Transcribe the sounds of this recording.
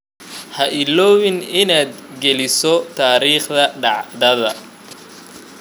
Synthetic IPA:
hɐʔɪlɔːwɪnɪnaːd̪̚ | ɡɛlɪsɔt̪ʰaːɾiːχðɐɖɑʕd̪ɐðɐ̰

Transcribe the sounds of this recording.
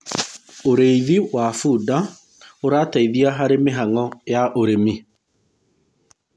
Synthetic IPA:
oɾeiðiwafuːda | oɾaːtaiðiaɦaɾemeɦaŋɔjaʔoɾemi

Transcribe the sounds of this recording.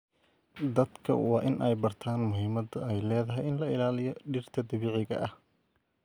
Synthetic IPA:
d̪ɐd̪kʰɐ̰wɑːʔɪnʔɛjbɐrt̪ʰaːnmʊɦɪːmɐðɛjlɛːðɐɦɛjɪnlɐɪlaːlɪjɔɖɪrt̪ʰɐd̪ɐβeːʕɪɣɐ̰ʔɐh

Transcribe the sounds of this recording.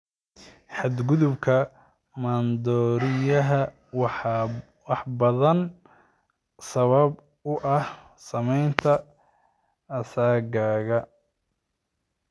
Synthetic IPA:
ħɑd̪ɡʊðʊbkʰɐ | mɐnd̪ɔːɾɪjɐɦɐ | wɑħbɐðɐn | sɐβɐb | ʊʔɐh | sɐmɛjnt̪ʰɐ | saːɡaːɣɐ

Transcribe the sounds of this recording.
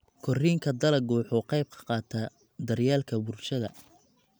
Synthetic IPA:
kʰɔriːŋkʰɐd̪ɐlɐɡuːħʊqɑjb̚kʰɐ̥qɑːt̪ʰɐ | d̪ɐrjaːlkʰɐbʊrʃɐðɐ̰

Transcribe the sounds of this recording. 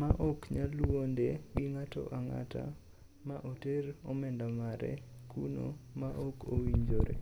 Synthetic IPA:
maʔokɲalwondeɡɪŋatɔ̰ʔaŋa̰ta̰ | maʔoteɾomɛndamaɾɛ̰kʰuno̰maʔokowiɲd͡ʒoɾḛ

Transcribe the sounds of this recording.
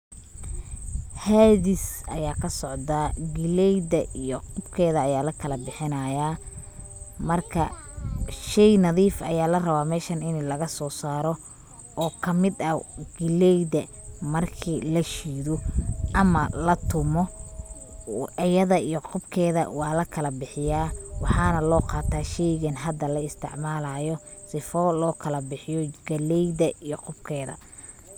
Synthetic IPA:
haːðɪsɐjaːkʰɐsɔʕd̪aɡɪlɛjdɐijɔqʊbkʰɛːðɐːjaːlɐkʰɐlɐbɪħɪnɐːjaː | mɐrkʰɐ | ʃɛjnɐðiːfɐjaːlɐrɐβaːmɛːʃɐnɪnlɐɣɐsɔːsaːɾɔ | ɔːkʰɐmɪd̪ɐɡɪlɛjdɐ | mɐrkʰiːlɐʃiːðɔʔɐmɐlɐt̪ʰʊmɔ | ɐjɐðɐijɔqʊbkʰɛːðɐ̰wɑːlɐkʰɐlɐbɪħɪjaːwɑħɑːnɐlɔːqɑːt̪ʰaːʃɛjɣɐnɦɐd̪ːɐlɐɪst̪ʰɪ̰ʕmaːlajɔ | sɪfɔlɔːkʰɐlɐbɪħɪjɔɡɐlɛjd̪ɐʔijɔqʊbkʰɛːðɐ̰

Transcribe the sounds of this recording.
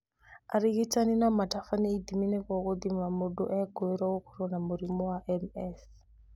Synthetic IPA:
aɾiɣitaninamatafaniːd̪iminɛkɔkod̪imamodɔʔɛɡɔɛɾawokɔ̥ɾɔnamuɾimɔwaʔɛmɛs

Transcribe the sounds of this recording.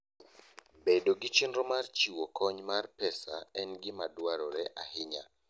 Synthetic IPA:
bedoɡɪt͡ʃinɾɔmart͡ʃiwokʰɔɲmarpɛsa̰ɛnɡɪmadwaɾɔɾɛʔahɪɲa̰

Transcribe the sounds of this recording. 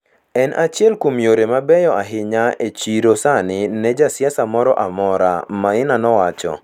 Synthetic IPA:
ɛnʔat͡ʃjɛlkomjoɾemabɛjɔaɦɪɲaet͡ʃiɾosanɪnɛd͡ʒasjasamɔɾɔ̰ʔamɔɾa̰maɪnanɔwat͡ʃɔ̰

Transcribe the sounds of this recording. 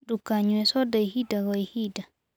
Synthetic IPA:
dukːaɲuɛsɔdaihidaɡɔihida

